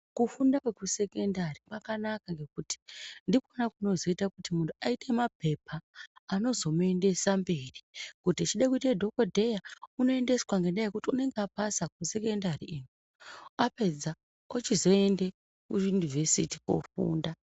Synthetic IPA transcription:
kufundakwekuse̞kendaripakanakaŋɡe̞kuti̥ndikonakuno̞zo̞itakutimuntʰuaitʰe̞mape̞pʰaːno̞zo̞mue̞nde̞sambe̞rikutit͡ʃiɗakuitaedʱo̞kodʱe̞jauno̞e̞nde̞swaŋɡe̞ndajekutiune̞ŋɡapasakuse̞ke̞ndariinu | ape̞d͡za | ot͡ʃizo̞e̞nde | kujunivʱesitiko̰fṵːnda

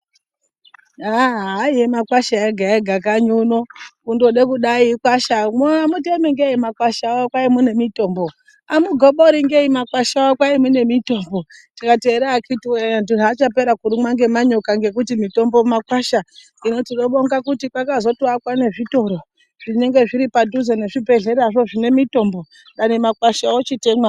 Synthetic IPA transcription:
aaijemakwaʃaeɡʱaeɡʱakaɲunokundoɗekuɗaikwaʃamoamutemiŋɡeimakwaʃawakwaimune̞mito̞ːmbo | amuɡʱoɓoɾiŋɡeimakwaʃawakwaimune̞mito̞ːmbotikate̞ːɾakitiweanduɦat͡ʃape̞ɾakuɾimwaŋɡe̞maɲo̞kaŋɡe̞k̬utimito̞mbomakwaʃa | ino̞tino̞ɓo̞ŋɡakutikwakazo̞tuakwane̞ʐito̞ɾo̞ | ʐ̥ine̞ŋɡe̞ʐiɾipaduzeneʐibʱe̞ɮe̞ɾaʐo̞ʐine̞mito̞mbo̞ | ɗanemakwaʃawot͡ʃite̞mwa

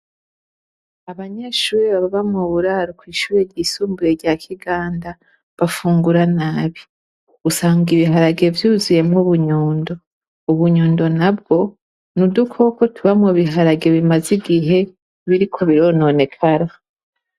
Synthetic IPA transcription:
aβaɲeʃuːɾiβaβaβamŋoβuɾaːɾokwiːʃuːɾeɾɟisuːmbuɾe̞ɾɟaːkʰiɡaːnda | βafuːŋɡuɾanaːβi | usaːŋɡiβiɦaɾaɡe̞vjuːzuje̞mŋuβuɲoːndo̞ | uβuɲoːndo̞nab̚ɡo̞ | nudukʰoko̞tʰuβamŋoβiɦaɾaɡe̞βimaziɡiɦe̞ | βiɾikʰo̞βiɾo̞ːno̞ne̞kʰaɾa

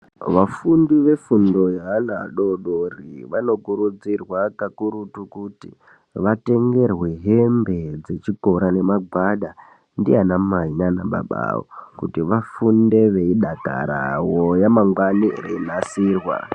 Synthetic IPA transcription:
ʋafundiʋe̞fundo̞jaanaɗo̞ɗoriʋano̞kuɾud͡zirwakakuɾutukutḭ | ʋate̞ŋɡe̞rwe̞ɦembe̞d͡ze̞t͡ʃiko̞ɾane̞maɡʱwaɗa | ndianamainanaɓa̰ɓa̰wo̰kutiʋafunde̞ʋe̞iɗaka̰ɾa̰wojamaŋɡwanireinasiːrwa̰

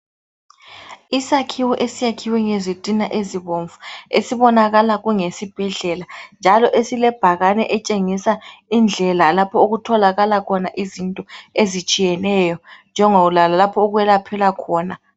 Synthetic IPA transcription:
isakʰiwɛʔesijakʰiwɛŋezitʼinaʔeziβoɱvuḛsiβɔnaɣalaɣuŋesib̥ʱɛɮɛland͡ʒʱalɔʔesilɛb̥ʱaɣanɛ̰ʔɛt͡ʃʼeŋisaind͡ɮʱɛlalapʰɔoɣutʰɔlaɣalakʰɔnaʔizintʼɔezit͡ʃʼijɛnɛjɔnd͡ʒʱɛŋoulalalapʰɔoɣuwɛlapʰɛlakʰɔːna

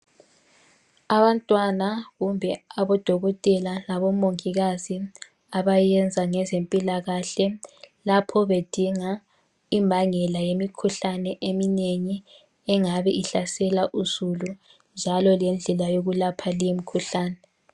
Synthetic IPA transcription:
aβantʼwanaɣumbʱɛaβɔd̥ʱɔɣɔtʼɛlalaβɔmoŋiɣazi | aβajɛnd͡zʱaŋɛzempʼilaɣaɬɛlapʰɔβed̥ʱiŋa | imbʱaŋɛlajemikʰuɬanɛʔemineŋi | ɛŋaβɛʔiɬasɛlaʔuz̥ulu | nd͡ʒʱalɔlɛnd͡ɮʱɛlajoɣulapʰalijomikʰuɬaːnɛ

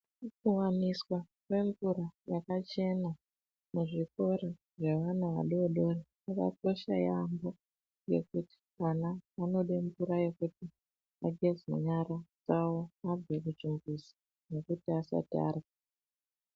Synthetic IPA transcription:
kuwamiswa | kwe̞ɱvuɾajakat͡ʃe̞na | muʐiko̞ɾe | ʐe̞ʋanaʋa̰ɗoɗo̞re | aka̰ko̞ʃa̰jambo̞ | jɡe̞̰kuti̥kanaːno̞ɗeɱvuɾaje̞kuti | aɡʱezṵɲaɾad͡zawoab͡vwekut͡ʃimbuzi̥ | ne̞kutiasa̰tia̰rwa

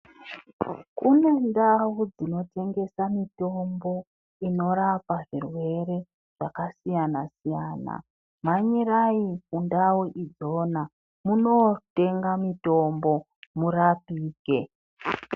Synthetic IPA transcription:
kune̞ndawud͡zino̞te̞ŋɡe̞samito̞mbo̞ | ino̞ɾapaʐirwe̞ɾe̞ | ʐ̥akasijanasijaːna̰ | maɲiraikundawuʔid͡zo̞ːna | muno̞te̞ŋɡamito̞mbo̞ | murapiːke̞

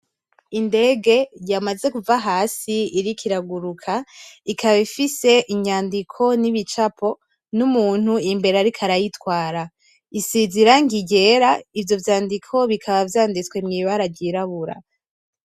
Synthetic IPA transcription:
inde̞ɡe̞jamaze̞kuvaɦaːsiiɾikʰiɾaɡuɾukʰaikʰaβaifise̞ʔiɲaːndikʰo̞niβit͡ʃapʰo̞ | numuːn̥uimbe̞ɾeaɾikʰaɾajitwaːɾa | isiziɾaŋɡiɟe̞ɾaivjo̞vjaːndikʰo̞βikʰaβavjaːndit͡swe̞mŋiːβaɾaɟiɾaβuɾa̰

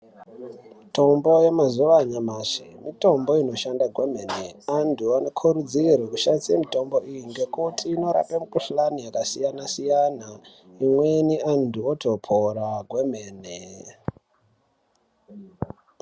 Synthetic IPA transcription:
mito̞mbo̞je̞mazuʋaɲamaʂimito̞mbo̞ino̞ʃandaɡʱweme̞neantʰuanokʰuɾud͡zirwekuʃandisemito̞mbo̞ijiŋɡe̞kutʰiːno̞ɾa̰pemukuɬlanijakasijanasijana | imweniantuotʰo̞pʰoɾaɡʱwe̞meːne

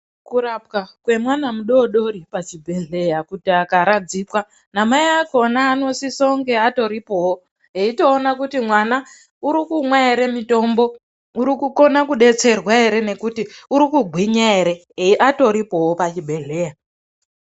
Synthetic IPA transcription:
kuɾapkakwe̞mwanamuɗo̞ɗo̞ɾipat͡ʃibʱe̞ɮe̞jakutiakaɾad͡zikwa | namajako̞naːno̞sisouŋɡe̞ato̞ɾipo̞wo | ɦeito̞ːnakutimwana | uɾikumwaeɾe̞mito̞mbo̞ | uɾikuko̞nakuɗe̞t͡se̞rwae̞ɾe̞ne̞kutiuɾikuɡʱwiɲaeɾe̞ | eʔato̞ɾipo̞wopat͡ʃibʱe̞ɮe̞ja

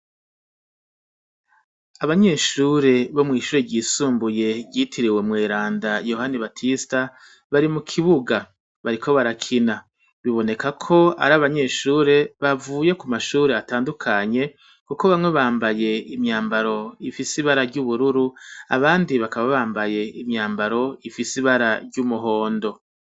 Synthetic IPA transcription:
aβaɲe̞ːʃuːɾe̞βo̞mŋiːʃuːɾeɟiːsuːmbuje̞ɟitʰiɾiwe̞mŋe̞ːɾaːndajo̞haniβatʰista | βaɾimukʰiβuɡa | βaɾikʰo̞βaɾakʰina | βiβo̞ne̞kakʰo̞a̰ɾaβaɲe̞ʃuːɾe̞βavuːje̞kumaʃuːɾe̞ataːndukʰaɲe̞ | kuko̞βamŋe̞βaːmbaje̞imɲaːmbaɾo̞ifisiβaɾaɾɟuβuɾuɾua̰βaːndiβakaβaβaːmbaje̞imɲaːmbaɾo̞ifisiβaɾaɾɟumuɦo̞ːndo̞

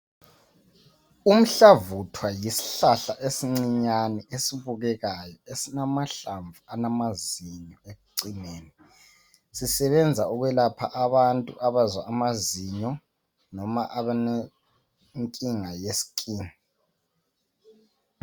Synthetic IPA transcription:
um̩ɬavutʰwajisi̥ɬaɬaʔesiŋ͡ǀiɲanɛesiβuɣɛɣajɔesinamaɬaɱvuanamaziɲɔeɣuǀineːni | sisɛβɛnd͡zʱauɣwɛlapʰaʔaβantʼuʔaβazwaʔːmaziɲɔ | nɔmaʔaβane | ŋkʼiŋajesi̥kʼiːni

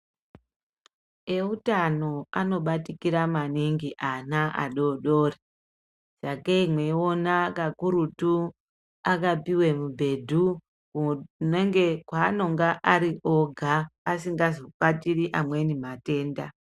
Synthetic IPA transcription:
e̞utano̞ano̞ɓatikiɾamaniŋɡiʔanaʔa̰ɗo̞ɗo̞ːri | ʐ̥akeimwe̞onakakuɾutu | akapiwe̞mubʱe̞dʱu | kuneŋɡekwaːno̞ŋɡaʔaɾiʔoɡʱaːsiŋɡazopatiriʔamwe̞nimate̞ːnda

